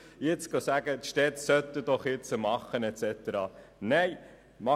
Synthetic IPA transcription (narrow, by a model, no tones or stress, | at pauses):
jɪt͡sɡ̥ɑsæɡət̪ʃtɛt̪sœt̪ːəd̥ɔχjɪt͡səmɑχːənɛt͡sɛt̪əɾɑːneɪ | mɑ